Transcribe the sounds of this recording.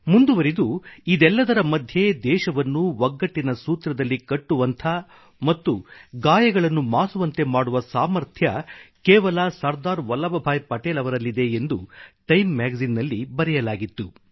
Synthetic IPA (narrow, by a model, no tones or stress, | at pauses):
mund̪uʋɐɾid̪uid̪ɛlːɐd̪ɐɾɐmɐd̪ʱje̞d̪ɛːʃɐʋɐnːuʋɐɡːɐʈːinɐsuːt̪ɾɐd̪ɐlːikɐʈːuʋɐnt̪ʰɐ | mɐt̪ːuɡaːjɐɡɐɭɐnːumaːsuʋɐnt̪e̞maːɽuʋɐsaːmɐɾt̪ʰjɐkɛːʋɐlɐsɐɾd̪aːɾʋɐlɐʋɐbʱaːjpɐʈeːlɐʋɐɾɐlːid̪e̞end̪uʈɐjmːaːɡɐzinːɐlːibɐɾɛjɐlaːɡit̪ːu